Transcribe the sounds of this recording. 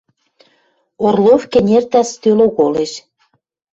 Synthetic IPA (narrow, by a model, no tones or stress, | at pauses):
orlofkĕnʲert̪æst̪øloɣoleʃ